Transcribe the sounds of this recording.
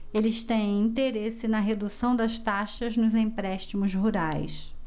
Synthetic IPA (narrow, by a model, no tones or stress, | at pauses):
elɪst̪ẽj̃ĩnt̪eɾesɪnɐɦed̪usɐ̃w̃d̪ɐʃt̪aʃɐznʊzĩpɾɛʃt͡ʃimʊzɦuɾajs